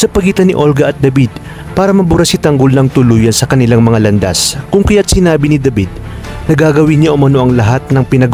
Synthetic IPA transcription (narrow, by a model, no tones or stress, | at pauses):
sɐpɐɡiːt̪ɐniʔo̞lɡɐʔɐt̪̚d̪ɐbid̪̚ | paːɾɐmɐbʊɾɐsɪt̪ɐŋɡolnɐŋt̪ʊluːjɐnsɐkɐnɪlaŋmɐŋalɐnd̪a̰skʊŋkɐjat̪̚sɪnaːbinɪd̪ɐbid̪̚ | nɐɡaːɡɐwiɲɲaʔʊmɐno̞ʔɐŋlɐɦat̪̚nɐŋpɪnɐɡ